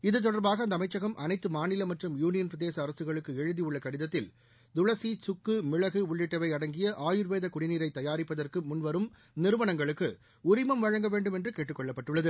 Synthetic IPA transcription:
ɪðɯt̪̬ːɔɽɐɾbaːɣɐɐnd̪ɐmɐɪt͡ʃːɐɣɐmʔɐnɐɪt̪ːɯmaːnɪlɐmːɐʈrɯmjuːnɪjɐnpɾɐðeːsɐːɾɐsɯɣɐɭɯkːɯɛɻɯðijɯɭːɐkɐɽɪðɐt̪ːɪl | d̪ʊɻɐsit͡ʃʊkːɯmɪɭɐɣɯʊɭːɪʈːɐʋɐɪɐɽɐŋɡɪjɐʔaːjɯɾʋeːðɐkʊɽɪniːɾɐɪt̪ːɐjaːɾɪpːɐðɐrkɯmʊnʋɐɾɯm | nɪɾɯʋɐnɐŋɡɐɭɯkːɯ | ʊɾɪmɐmʋɐɻɐŋɡɐʋeːɳɖɯmɛndrɯkeːʈrɯkːɔɭːɐpːɐʈːɯɭːɐðɯ

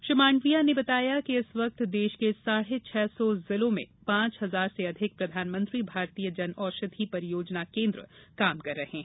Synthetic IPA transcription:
ʃɪmaːɳɖʋijanebɐt̪aːjakiɪsʋɐk̚t̪d̪eːʃkesaːɽ̤et͡ʃʰɛːsɔzɪlõmḛ̃pãːt͡ʃɦɐzaːɾseɐd̪ʱɪk̚pɾɐd̪ʱaːnmə̃nt̪ɾibʱaːɾt̪ijəd͡ʒɐnɔːʃɐd̪ʰʱipɐɾjoːd͡ʒnakẽːnd̪ɾəkaːmkɐɾːɐɦẽ

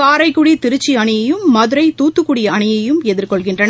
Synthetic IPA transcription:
aːɾɐɪkːʊɽit̪ɪɾɯt͡ʃːiɐɳɪjɐjɯmːɐðɯɾɐɪt̪uːt̪ːɯkːuɽɪjɐɐɳɪjɐjɯmɛðɪɾkɔɭɣɪndrɐn

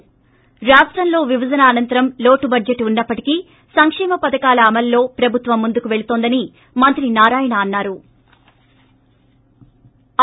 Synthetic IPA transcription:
ɾaːsʈɾɐmlo̞ːʋiʋɐd͡ʒɐnɐːnɐnt̪ɐɾɐmlo̞ːʈubɐd͡ʒeʈːunːɐpːɐʈi̥ki | sɐŋkʂɛːmɐpɐd̪ɐkaːlɐːmɐlːo̞ːpɾɐbʱut̪ʋɐmːund̪ukuʋe̞ɭut̪oːnd̪ɐni | mɐnt̪ɾinaːɾaːjɐɳaːnːaːɾu

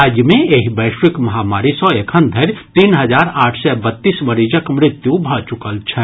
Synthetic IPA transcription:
aːd͡ʒjəmẽeɦibəːʃwɪkmɐɦaːmaːɾisɔ̃ekʰənd̪ʱəɾt̪iːnɦəd͡ʒaːɾaːʈʰsɛbət̪ːiːsməɾiːd͡ʒəkmɾɪt̪jubʱat͡ʃʊkəlt͡ʃʰɛ

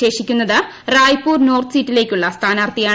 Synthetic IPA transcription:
e̞ːʂikʲːunːɐðɨ | raːjpːuːrno̞ːrt̪ʰɨsitːile̞ːkʲːuɭːɐst̪ʰaːnaːrt̪ijaː

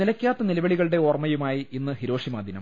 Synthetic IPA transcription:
ilɐkʲːaːt̪ːɐnilɐʋɐɭiɣɐɭɨɽe̞oːrmːɐjumaːjiinːɨhiɾo̞ːʂimaːd̪ʱinɐ̰m

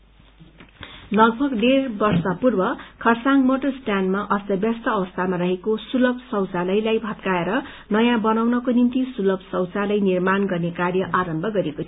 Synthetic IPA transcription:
lʌɡbʱʌɡɖerbʌrsʌpurbʌkʰʌrsaŋɡmoʈʌrsʈanmaʔʌst̪ʌbjast̪ʌːbʌst̪ʰamarʌɦekosulʌb̚sʌwt͡salʌjlajbʱʌt̪kaeɾʌ | nʌjãbʌnawnʌkonimt̪isulʌbsʌwt͡salʌjnirmanɡʌrnekarjʌʔaɾʌmbʱʌɡʌɾekot̪ʰi

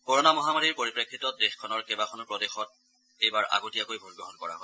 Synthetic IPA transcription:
kɔɹonamɔɦamaɹiɹpoɹipɹekʰːitɔtdexkʰɔnɔɹkebakʰɔnɔpɹɔdexɔt̚ | ejbaɹa̰ɡotijakojbʱoɹibɔɦɔnkɔɹa̰ɦɔj

